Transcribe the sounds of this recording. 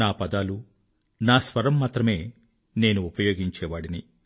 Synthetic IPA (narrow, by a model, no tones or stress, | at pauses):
aːpɐd̪aːlu | naːsʋɐɾɐmːaːt̪ɾɐme̞ː | ne̞ːnuːpɐjo̞ːɡiɲt͡ʃɛːʋaːɽini